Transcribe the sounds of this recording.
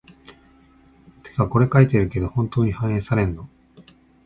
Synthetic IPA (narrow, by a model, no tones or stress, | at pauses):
t̪ʰe̞̥kako̞ɾe̞kait̪eɾɯ̟ke̞d̪ohõ̞nt̪o̞ːɲ̟ihãɰ̃ẽːsaɾẽ̞nːo̞